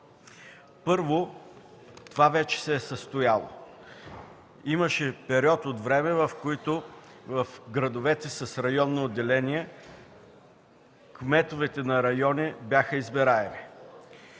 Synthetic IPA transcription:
pɤɾvo | t̪ovavɛt͡ʃɛ̥sɛːsəst̪ʊjalˠo̰ | iməʃɛpɛɾiɔt̪ot̪vɾɛmɛvɐfkoit̪o | vɐfɡɾɐd̪ovɛt̪ɛsɐsɾɐjɔnːood̪ːɛlɛniɛ | kmɛt̪ovɛt̪ɛnɐɾɐjɔnʲɛbjaxəizbɛɾaɛmi

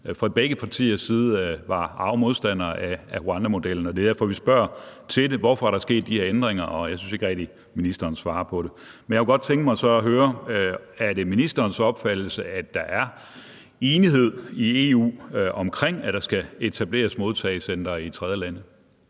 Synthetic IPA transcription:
fʁɑ̈b̥eɡ̥əpʰɑ̈t͡sʰḭːɐsːiːð̞̩ˠʋɑ̈ɑ̈ʊmo̝ð̞ˠsd̥æn̰ɐææhoænd̥æmo̝d̥el̰n̩ɒd̥e̝dæɐfɒʋisb̥ɶɐ̰t͡sʰe̝deʋɒfɒæɐɾ̥ɑ̈sɡ̥e̝̰ːd̥̚ːiheɐ̰end̥ʁeŋɐʔɒ̽jɑ̈synse̝ɡ̥əʁɛɡ̥̚d̥i | minisd̥ɐːnsʋɑ̈ːɐpʰɒ̽ɾe̝ | menjaɐkʰeɡ̥ɒd̥̚t͡sʰeŋɡəmɑ̈ɪsɒ̽ːɦøːɐ | æɐɾe̝minisd̥ɐːnsɒ̽b̥fæd̥l̩səæd̥ɑ̈ʔæɐ | e̝ːniɦe̝ð̞̰ˠie̝ṵːɒ̽mkʰʁeŋ̰æd̥ɑ̈sɡ̥æe̝t͡sʰæb̥le̝̰ːɐsmo̝ð̞ˠt͡sʰɛɪsend̥ɐːit͡sʰʁɛð̞ˠjəlænə

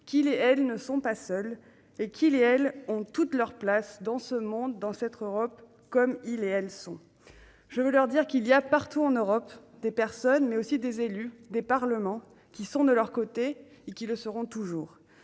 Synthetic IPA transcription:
kʲileɛlnəsɔ̃pasœl | ekʲʰileɛlɔ̃t̪ut̪lœʁplasd̪ɑ̃səmɔ̃d̪ːɑ̃sɛt̪χøʁɔp | kɔmileɛlsɔ̃ | ʒ̥əvəlœʁd̪iʁkilijapaʁt̪uɑ̃nøʁɔpd̪epɛʁsɔnmɛosid̪ezelyd̪epaʁləmɑ̃ | kʲisɔ̃d̪əlœʁkot̪e | ekʲiləsəʁɔ̃t̪uʒuːʁ

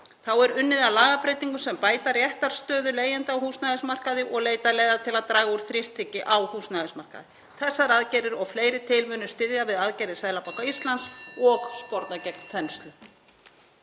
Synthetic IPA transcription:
θawɛɾʏnːɪðalaːɣapɾejt̪iŋkʏsɛmpaːjt̪aɾjɛht̪aɾ̥st̪œːðʏleːjant̪awhuːsnajðɪsmar̥kaðɪʔɔɣleːjt̪aleːjðat̪ʰɪlaðt̪ɾaːɣauɾ̥θɾɪst̪ʰɪcɪʔawhuːsnaðɪsmar̥ka̰ðɪ | θɛsːaɾaðcɛːɾɪɾɔɣfleːjɾɪt̪ʰɪlmʏːnʏst̪ɪðjavɪðaðcɛːɾɪɪsaːðlapawkaist̪lansɔɣspɔɾt̪nacɛk̚nt̪ʰɛnst̪lʏ

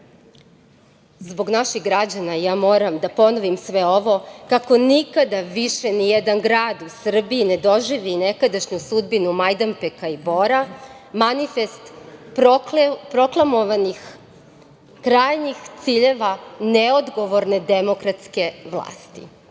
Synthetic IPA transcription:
zbo̞ɡnaʃiɣɡɾad͡ʑanajaːmo̞ːɾamd̪apo̞noʋimsʋeo̞ʋo̞kako̞nikad̪aʋiʃe̞nijed̪anɡɾaːd̪usr̩biːned̪o̞ʒiʋine̞kad̪aʃɲusud̪binumajd̪ampekaibo̞ɾa | manife̞st̪ | pɾo̞klˠamoʋanix | kɾaːjnixt̪siʎe̞ʋaneod̪ɡo̞ʋo̞ɾne̞d̪emo̞kɾat̪ske̞ʋlˠa̰ːst̪ḭ

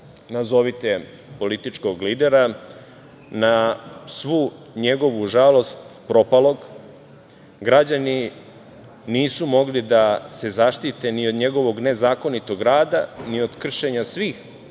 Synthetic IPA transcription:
nazo̞ʋit̪e̞ | po̞lit̪it͡ʃko̞ɡliːd̪e̞ɾa | nasʋuː | ɲe̞ɡo̞ʋuʒalo̞st̪pɾo̞palo̞ɡ | ɡɾad͡ʑani | niːsumo̞ɡlid̪ase̞zaʃt̪it̪e̞niod̪ɲe̞ɡo̞ʋo̞ɡne̞zaːko̞nit̪o̞ɡɾaːd̪anio̞d̪kr̩ʃe̞ɲasʋiːx

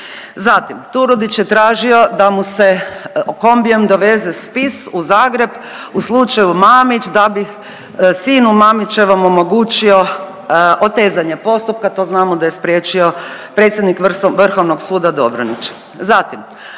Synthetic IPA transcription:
zat̪imt̪uɾud̪it͡ɕjet̪ɾaːʒio̞d̪amuseko̞mbiemd̪oʋe̞zespisuzaːɡɾe̞b | uslˠut͡ʃajumaːmit͡ʃd̪abix | siːnumamit͡ʃe̞ʋamomoɡuːt͡ʃio̞ | ʔot̪e̞ːzaɲe̞po̞st̪up̚kat̪o̞znaːmod̪aje̞spɾjeːt͡ʃio̞pɾe̞ːt̪sʲjed̪nikʋʋr̩xoʋnoɡsuːd̪ad̪obɾonit͡ʃe̥ | zat̪im

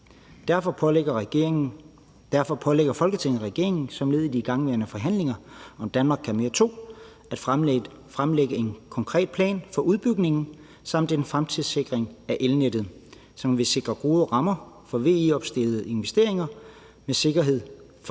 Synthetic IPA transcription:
d̥æɐfɒ̥ɐ | d̥æɐfɒ̽pʰɒ̽leɡ̥ɐfɒ̽lɡ̥ət͡sʰeŋ̰ð̩ˠʁɛɡ̥e̝ɐe̝ŋn̩sɒ̽mle̝ð̞̰ˠid̥iɡ̥ɑ̈ŋʋeɐnəfɒ̽ɦæn̰le̝ŋɐɒ̽md̥ænmɑ̈ːɡ̥ʰæme̝ːɐt͡sʰo̝̰ː | æd̥fʁ | fʁamleɡ̥əe̝nkʰɒ̽ŋkʰʁɛ̰ːd̥̚pʰlɛ̰ːnfɒ̽ʔuð̞ˠb̥yɡ̥ne̝ŋn̩ | sɑ̈m̰d̥e̝nfʁamt͡sʰið̩ˠse̝ɡ̥ʁeŋæʔelned̥ð̩ˠ | sɒ̽mʋe̝se̝ɡ̥ʁɐɡ̥o̝ːðˠəʁɑ̈mɐ | fɒ̽ʋe̝̰ːeɒ̽b̥sd̥e̝lð̩ˠəe̝nʋesd̥e̝ɐ̰e̝ŋɐ | mese̝ɡ̥ɐɦe̝ð̰ˠ | f

